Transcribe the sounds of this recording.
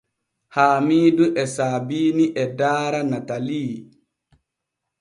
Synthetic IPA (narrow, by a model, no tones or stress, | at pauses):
haːmiːduʔɛsaːbiːniʔɛdaːɾanataliː